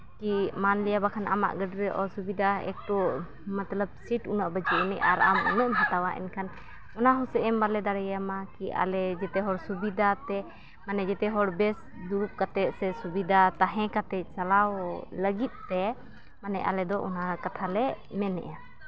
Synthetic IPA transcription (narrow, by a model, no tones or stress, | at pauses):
kimanlɛjabakʰana̰ma̰ʔɡəɖɾɛʔɔsubid̪ʱaɛ̰k̚ʈɔ | mat̪ləb̚siʈunaʔbəd͡ʒuʔnɛʔaɾa̰mṵnəʔmɦat̪awaʔɛ̰nkʰan | ɔnaɦusɛʔɛmbalɛd̪aɾɛjamakiʔa̰lɛd͡ʒɛt̪ɛɦɔɾsubid̪ʱat̪ɛ | manɛd͡ʒɛt̪ɛɦɔɽbɛs | d̪uɾup̚kat̪ɛt̪̚sɛsubid̪ʱat̪aɦɛ̃kat̪ɛc̚salawləɡit̪̚ˀt̪ɛ | manɛʔa̰lɛd̪ɔʔɔ̰nakat̪ʰalɛ | mɛnɛ̰ʔa